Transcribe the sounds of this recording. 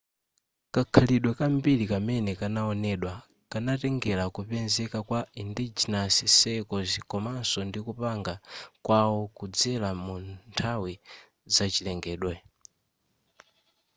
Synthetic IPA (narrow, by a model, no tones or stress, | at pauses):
kakʰaliɗwɛkambilikamɛnɛkanaɔnɛɗwa | kanatɛŋɡɛlakupɛnzɛkakwaindid͡ʒinasisɛkɔzikɔmansɔndikupaŋɡakwawɔkud͡zɛlamuntʰawi | zat͡ʃilɛŋɡɛːɗwɛ